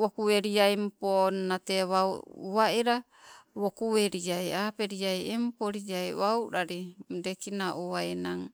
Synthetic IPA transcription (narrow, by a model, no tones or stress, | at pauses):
wokueɾiajmponnateβa̰βaiɾa | βokuβeɾiajapeɾiajempoɾiajβawɾaɾidekinaʔuainaŋ